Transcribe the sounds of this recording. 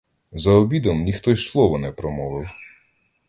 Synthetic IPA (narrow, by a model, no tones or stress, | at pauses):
zɐɔbʲid̪ɔmnʲixt̪ɔjslˠɔʋɔnɛpɾɔmɔʋɪw